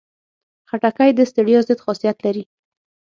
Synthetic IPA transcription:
xaʈakajd̪əst̪aɽijɑzɪd̪xɑsijat̪laɾi

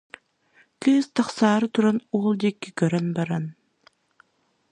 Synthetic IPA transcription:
kɯːst̪aχsaːɾɯt̪uɾanuːlˠd̪ikːikœɾœnbaɾan

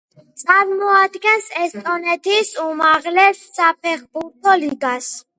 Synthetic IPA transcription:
t̪sʼaɾmɔad̪ɡɛnsɛst̪ʼɔnɛt̪ʰisumaʁlɛsːap̚ʰɛχbuɾt̪ʰɔliɡas

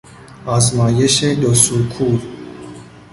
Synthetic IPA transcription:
ɑzmɑːjeʃed̪osukʰuːl

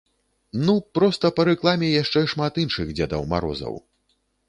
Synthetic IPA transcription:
nupɾɔst̪ɐpɐɾɛklˠamʲɛjaʂt͡ʂɛʂmat̪inʂɨɣd͡zʲad̪ɐ̰wma̰ɾɔ̰zɐ̰w

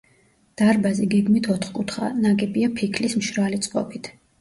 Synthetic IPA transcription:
d̪̥aɾbazɛɡɛɡmit̪ʰɔt̪ʰχkʼut̪ʰχa̰nakʼɛpʼiapʰikʰlismʃɾalit̪sʼqʼɔ̰pit̪ʰ

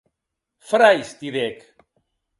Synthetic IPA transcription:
fɾajst̪iðek

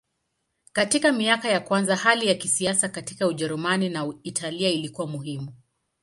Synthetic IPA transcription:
katikamiakajakwanzahalijakisiasakatikauʄɛɾumaninaitʰaliailikuwamuhimu

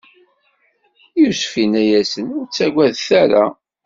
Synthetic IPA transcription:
jusfinæjæsənʊɾt͡sːæɡʷæðθæɾa̰

